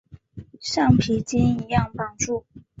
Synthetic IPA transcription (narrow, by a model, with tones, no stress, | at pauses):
ʂɑ˥˩ŋpʰi˧˥t͡ɕi˥ni˧˥jɑ˥˩ŋpɑ˨˩ŋʈ͡ʂu˥˩